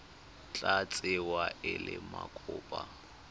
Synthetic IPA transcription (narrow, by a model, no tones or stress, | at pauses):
t͡ɬʼat͡sʼɪwaʔɪlɪmakʰʊːpʼa